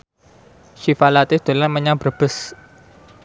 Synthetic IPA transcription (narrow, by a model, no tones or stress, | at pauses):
ʃifalat̪ɪd̪̥o̤lanməɲab̥əb̥ə̤s